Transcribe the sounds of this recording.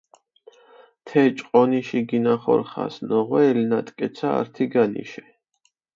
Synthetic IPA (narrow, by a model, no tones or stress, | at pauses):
t̪ʰɛt͡ʃʼqʼɔniʃiɡinaχɔ̰ɾχa̰snɔʁwɛːlnat̪ʼkʼɛt̪sʰa̰ːɾt̪ʰiɡanḭʃɛ